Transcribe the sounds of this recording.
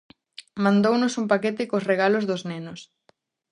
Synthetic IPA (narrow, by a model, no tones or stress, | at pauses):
mãnd̪ownʊsumpaket̪ɪkosreɣalozðʊznenʊs